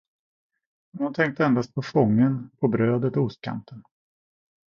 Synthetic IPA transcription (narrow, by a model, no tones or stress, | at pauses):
hnʊnt̪ʰɛŋk̚t̪əɛnd̪ast̪̚pʰɔfɔŋːənpʰɔbɾøːd̪ət̪ɔʊst̪̚kʰa̰nt̪ən